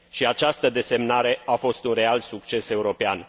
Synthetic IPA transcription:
ʃiat͡ʃast̪əd̪e̞se̞mnaɾe̞afo̞st̪unre̞alsuk̚t͡ʃe̞se̞uɾo̞pean

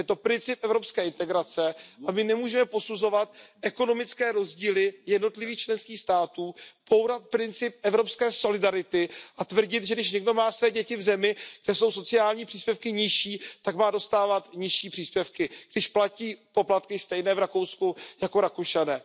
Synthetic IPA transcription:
jɛt̪o̞pɾɪnt͡sɪp̚ʔɛvɾo̞pskɛːɪnt̪ɛɡɾat͡sɛʔamɪnɛmuːʒɛmɛpo̞suzo̞vat̪̚ʔɛko̞no̞mɪt͡skɛːɾo̞zɟiːlɪjɛdno̞t̪lɪviːxt͡ʃlɛnskiːxst̪aːt̪uːb̥o̞wɾat̪̚pɾɪnt͡sɪp̚ɛvɾo̞pskɛːso̞lɪdaɾɪt̪ɪʔat̪vr̩ɟɪt̪ʒɛdɪʃɲɛɡdo̞maːsvɛːɟɛcɪvzɛmɪɡ̥dɛso̞wso̞t͡sɪaːlɲiːpr̥iːspʲjɛfkɪɲɪʃiːt̪akmaːdo̞st̪aːvat̪ɲɪʃiːpr̥iːspjɛfkɪɡ̥dɪʃplaciːpo̞plat̪kɪst̪ɛjnɛːvɾako̞wskujakoɾakoʃanɛː

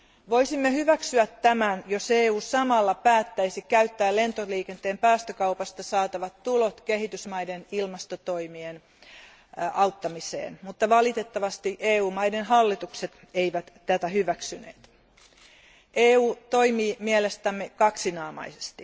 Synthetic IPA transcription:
ʋoisimːehyʋæksyæt̪ːæmænjoseːuːsɑmɑlːɑpæːt̪ːæisikæyt̪ːæːlle̞nt̪oliːkent̪eːmpæːst̪økɑupɑst̪ɑsɑːt̪ɑʋɑt̪tːulot̪keɦit̪ysmɑidenilmɑst̪ot̪o̞imien | ɑwt̪ːɑmisḛːnmut̪ːɑʋɑlit̪et̪ːɑʋɑst̪iʔeːuːmɑjdenɦɑlːit̪ukset̪ | eiʋæt̪t̪æt̪æhyʋæksynḛːt̪ | ʔeːuːt̪o̞imiːmielest̪æmːekɑksinɑːmɑ̰ise̥st̪i

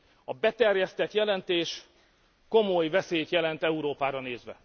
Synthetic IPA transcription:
ɒbɛt̪ɛrjɛst̪ɛt̪jɛlɛnt̪eːʃ | ko̞mo̞jvɛseːjt̪jɛlɛnt̪ɛuɾoːpaːɾɒneːzʋɛ̰

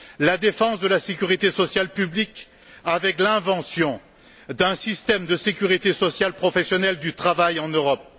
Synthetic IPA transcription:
lad̪efɑ̃sd̪əlasekʲyʁit̪esɔsjalpyblik | avɛklɛ̃vɑ̃sjɔ̃ | d̪ɛ̃sist̪ɛmd̪əsekʲyʁit̪esɔsjalpχɔfɛsjɔnɛld̪yt̪χavajɑ̃nøʁɔp̚

